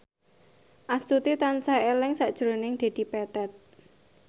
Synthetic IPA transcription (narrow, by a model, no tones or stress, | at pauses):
ʔast̪ut̪it̪ansaelɪŋsaʔd̥ʒ̥ɾonɪŋd̪̥e̤d̪̥i̤pɛt̪ɛt̪̚